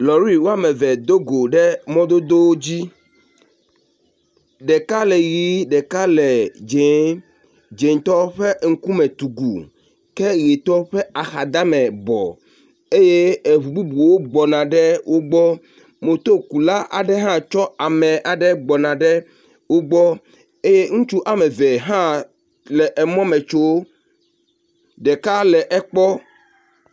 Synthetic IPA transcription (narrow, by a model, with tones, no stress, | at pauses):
lɔ˨ɾi˦wo˦a˨mɛ˨vɛ˨d̪o˦ɡo˨ɖɛ˦mɔ̃˦d̪o˦d̪o˦wo˦d͡ʑi˦ | ɖɛ˨ka˦lɛ˨ji˦ɖɛ˨ka˦lɛ˨d͡ʒe˨˦ | d͡ʒe˨ŋ˨t̪ɔ˦ɸɛ˦ŋ̩˦ku˦mɛ̃˨t̪u˨ɡu˨ | kɛ˦ɣe˨t̪ɔ˦ɸɛ˦a˨xa˨d̪a˦mɛ̃˨bɔ̰˨ | e˦je˦e˨βu˨bu˦bu˨wo˦ɡ͡bɔ˨nã˨ɖɛ˦wʔo˦ɡ͡bɔ˦ | mõ˨t̪o˦ku˨la˦ʔa̰˨ɖɛ˦ɦã˦t͡ʃɔ˦a˨mɛ̃˨ʔa˨ɖɛ˦ɡ͡bɔ˨nã˨ɖɛ˦ | wo˦ɡ͡bɔ˦ | e˦je˦ŋũ˦t͡ʃu˦ʔa˨mɛ˨vɛ˨ɦã˦ | lɛ˨ʔɛ˨mɔ̃˦mɛ̃˨t͡ʃo˦w | ɖɛ˨ka˦lɛ˨ʔɛ˦k͡pɔ˦